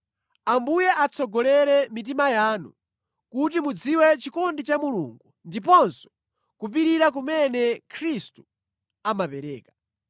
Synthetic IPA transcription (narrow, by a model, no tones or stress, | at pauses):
ambujɛʔat͡sʰɔɡɔlɛɾɛmit̬imajaːnu | kut̬imud͡ziwɛt͡ʃikɔndit͡ʃamulṵŋɡundipɔnsɔ̥ | kup̬iɾiɾak̬umɛnɛkʰɾistu̥ | amapɛɾɛ̰ːkḁ